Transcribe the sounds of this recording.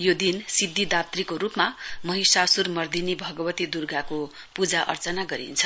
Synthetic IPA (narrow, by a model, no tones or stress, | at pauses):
jod̪insibd̪ːid̪apt̪rikoɾupmamʌɦisasurmʌrd̪inibʱʌɡʌbʌt̪id̪urɡako | pud͡zaʔʌ̰rt͡sʌnaɡʌɾḭnt͡sʰʌ̥